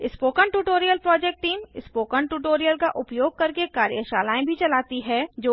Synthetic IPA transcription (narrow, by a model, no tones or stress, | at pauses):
ɪspoːkəɳʈuːʈoːɾijəlpɾɔːd͡ʒɛːk̚ʈʈiːmɪspoːkəɳʈuːʈoːɾijəlkaʔʊpjoːɡ̚kɐɾkekaːɾjəʃa̰ːlaːẽbʱit͡ʃɐlaːt̪iɦɛd͡ʒoː